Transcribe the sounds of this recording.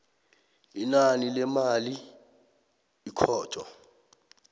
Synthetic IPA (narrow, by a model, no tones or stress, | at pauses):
inanilɛmali | kʰɔːtʰʼɔ̰